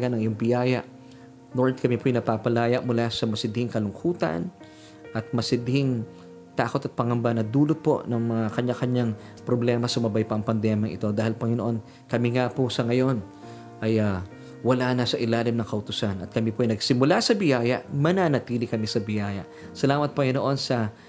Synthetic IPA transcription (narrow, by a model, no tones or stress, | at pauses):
ɡanɐŋɪjoŋbɪjaːjɐʔ | noɹd̪̚kɐmipoʔɐjnɐpaːpɐlaːjɐʔmʊlasɐmɐsɪd̪hɪŋkɐlʊŋkʰuːt̪ɐ̰n | ʔɐt̪̚mɐsɪd̪hɪŋ | t̪aːko̞t̪ɐt̪̚pɐŋɐmbanɐd̪uːlot̪̚po̞̰nɐŋmɐŋakɐɲakɐɲaŋpɾoblɛmɐsʊmɐbajpɐʔɐŋpɐnd̪ɛmjɐŋʔɪ̰t̪o̞d̪aːhɪlpɐŋɪnoʔo̞n | kɐmiŋaposɐŋɐjo̞n | ʔɐja | wɐlanɐsɐʔɪlaːlɪmnɐŋkɐʔʊt̪ʊsanɐt̪̚kɐmipoʔɐjnɐɡsɪmʊlasɐbɪjaːjɐʔmɐnanɐt̪iːlɪkɐmisɐbɪjaːjɐ̰ʔ | sɐlaːmɐt̪̚pɐŋɪnoʔo̞nsɐ